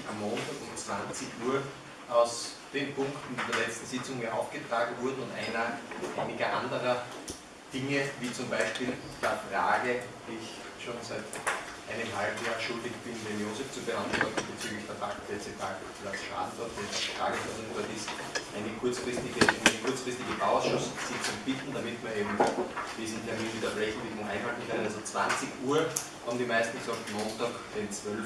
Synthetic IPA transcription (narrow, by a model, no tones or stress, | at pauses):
ʔamːoːntaːɡʊmt͡sv̥ant͡sɪçuːɐ | aʊsd̥eːnpʰʊ̃ŋktn̩ndːɐlɛt͡stn̩sɪt͡sʊŋjaʔa̰ʊfɡ̥ətʁ̥aːɡŋ̩vʊɐdʊntʔæɪnɐʔæɪnɪɡɐʔãndəʁɐ | d̥ɪŋəviːt͡sʊmbæɪʃpiːl | d̥eːɐfʁa̰ːɡəd̥iːɪç | ʃoːnsæɪtʔaɪnəmhalbm̩jaːʃʊldɪçb̥ɪnvɛnjoːzɛft͡subəhandln̩ɔb̥ət͡syːɡlɪçd̥ɛɐfʰakd̥ɛt͡sɛntʰa̰ː | plat͡ssʃa̰dd̥ɔɐtd̥efʁa̰ːɡəsfɐzʊŋv̥ɔɐdisʔæɪnəkʰʊɐt͡sfʁ̥ɪstɪɡənkʰʊɐt͡sfʁ̥ɪstɪɡəbaʊɔʊsʃʊssɪçt͡sʊmb̥ɪtn̩damɪtmiːɐeːbm̩d̥iːzn̩tʰɛɐmiːnviːdɐbʁɛçn̩diːmŋʔæɪnhaltn̩kɛalzot͡sv̥ã̰nt͡sɪçʔuːɐ | habm̩d̪imæɪstn̩ɡsɔktmoːntaːkd̥ent͡svœl